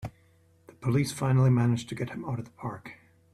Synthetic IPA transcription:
ðəpʰəlisfãɪ̃nl̩ˠimænɪd͡ʒtʰɨɡɛʔ̚hɨ̃maʊɾʌvðəpʰɑɹk

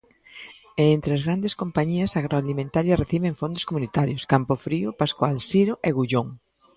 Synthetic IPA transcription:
eent̪ɾeazɣɾand̪eskompaɲiɐsaɣɾoalimẽnt̪aɾjɐreθiβeŋfond̪ʊskomunit̪aɾjʊskampʊfɾiʊpaskwalsiɾʊʔeɣuʎoŋ

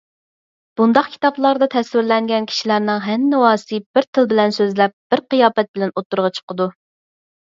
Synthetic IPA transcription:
b̥und̪ɑqkʲʰi̥t̪ɑblˠɑɾd̪ɑt̪ʰɛswɪɾlɛŋɡʲɛnkʲʰi̥ʃilæɾnɨŋɦɛnːɪwɑːsɨb̥ɪɾt̪ʰɨlˠbɪlɛnsøzlɛp̚b̥ɪɾqijɑːpɛt̪̚bɪlɛnot̪ːuɾʁɑt͡ʃʰə̥qəd̪u

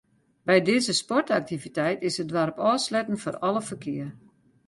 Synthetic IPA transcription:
bɛjdɪzəspɔrtak̚tivitɛjtɪsədʋaɾpɔːslɛtən̩forɔlˠəfərkʰɪər

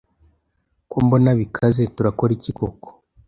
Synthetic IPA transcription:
kwuːmbo̞naβikʰazetuɾako̞ɾicikoko̥

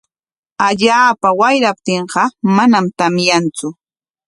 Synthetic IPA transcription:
aʎaːpawajɾap̚t̪eɴɢɑmanamt̪amjant͡sʊ

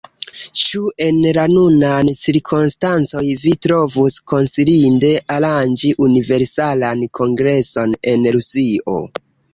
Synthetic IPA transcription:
t͡ʃue̞nlanunant͡siɾkʰunstant͡so̞jvitɾo̞vusko̞nsilinde̞ʔaland͡ʒiʔunive̞ɾsalankʰo̞ŋɡɾe̞so̞ne̞nɾusio̰

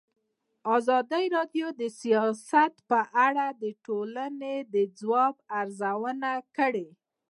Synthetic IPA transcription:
ɑzɑd̪əjɾɑɖjod̪əsijɑsat̪pəʔaɽad̪əʈolaned̪əd͡zwɑb̚aɾzawənakəɽe

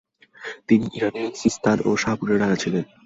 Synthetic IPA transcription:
t̪iniʔiɾanesist̪ʰaɾoʃapuɾeɾaat͡ɕʰilen

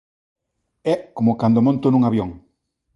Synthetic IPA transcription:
ɛkomokand̪omõnt̪onũŋaβjɔŋ

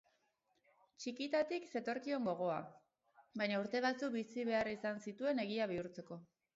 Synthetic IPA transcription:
t͡ʃikit̪at̪ikse̞t̪o̞ɾkio̞ŋɡo̞ɣ̞o̞a | bajɲauɾt̪e̞β̞at͡sukbisiβe̞aɾisansit̪ue̞ne̞ɣ̞iaβ̞iuɾt͡se̞ko̞

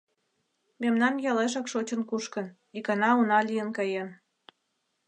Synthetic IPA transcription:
memnɑmjɑleʃ̬ɑkʃot͡ɕənkuʃkə̆n | ikɑnɑunɑlʲijənkɑjem

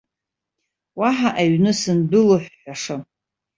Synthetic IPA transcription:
waħaʔaɥnɨsɨndɨloħʷːaʂɨ

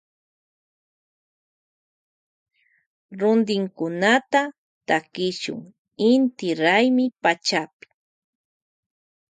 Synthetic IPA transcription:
ɾʊnd̪ɪŋkʊnat̪a | t̪akɪʃʊ̰ŋ | ɪnt̪ɪɾajmɪpat͡ʃapɪ̥

